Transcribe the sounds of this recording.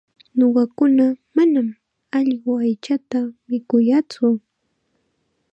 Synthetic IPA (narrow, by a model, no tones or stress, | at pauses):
noɢɑkʊnamanam | ɑʎɢʊajt͡ʃat̪amɪkʊjat͡sʊ